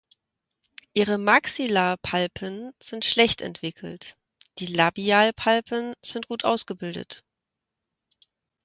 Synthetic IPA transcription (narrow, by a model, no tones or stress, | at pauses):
ʔiːʁəmaksilaːpʰalpʰənz̥ɪntʃlɛçtɛ̰ntv̥ɪkʰl̩t | d̥iːlabiaːlpʰalpʰənz̥ɪnt̚ɡ̥uːtʔa̰ʊsɡ̥əbɪldə̰t